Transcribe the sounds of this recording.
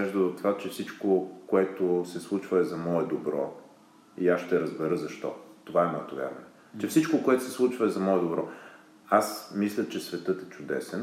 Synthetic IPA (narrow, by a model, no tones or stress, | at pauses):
ɛʒd̪əot̪ːovat͡ʃɛfsit͡ʃkokoɛt̪osɛslˠut͡ʃvɐɛzɐmɔɛd̪obɾɔ̰ | iasʃt̪ɛɾəzbɛɾɤzɐʃt̪ɔ̰t̪ovaɛmɔɛt̪ovʲja̰ɾvɐ̰nɛ | t͡ʃɛfsit͡ʃkokoɛt̪ʊ̥sɛslˠut͡ʃvəɛzɐmɔɛd̪obɾɔ | asmislʲət͡ʃɛsvɛt̪ɤt̪ɛt͡ʃʊd̪ɛ̰sɛn